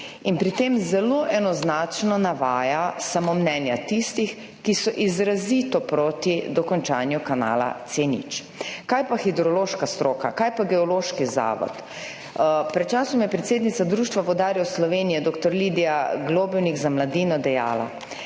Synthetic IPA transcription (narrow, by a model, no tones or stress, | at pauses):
inpɾit̪emzɛloʔɛnɔznat͡ʃnɔnaʋaːjasamomnɛnjat̪ist̪ix | kisɔʔizɾazit̪ɔpɾoːt̪id̪ɔkɔnt͡ʃanjukana̰ːla̰t̪senḭt͡ʃ | kajpaxid̪ɾɔloʃkast̪ɾoːka̰kaːjpaɡɛɔloːʃkiza̰ːʋɔ̰t̪ | pɾɛt̪t͡ʃaːsɔmjɛpɾɛt̪seːd̪nit̪sad̪ɾuːʃt̪ʋaʋɔd̪aːɾjwslɔʋeːnijɛd̪oːkt̪ɔɾlid̪ijaɡloːbɛwnikzamlad̪iːnɔd̪ɛja̰ːla̰